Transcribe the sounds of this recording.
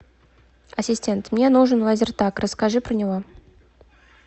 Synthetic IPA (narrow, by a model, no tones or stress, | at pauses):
ɐsʲɪsʲtʲe̞nt̪mnʲe̞nuʐɨnvazʲɪrt̪akrəskaʐɨpɾənʲɪvo